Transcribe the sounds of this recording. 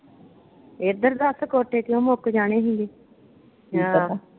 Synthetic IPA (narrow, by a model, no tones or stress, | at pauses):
ed̪əɾd̪əskoːʈeːkjõːmʊkd͡ʒaːɽ̃eːɦĩŋɡeː | aː